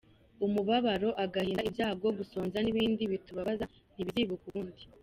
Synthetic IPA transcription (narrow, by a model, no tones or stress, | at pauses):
umuβaβaɾo̞ʔaɡahiːnibjaːbɡo̞ɡuso̞ːnzaniβiːndiβituβaβaza | n̥iβiɾiːβukuβuːndi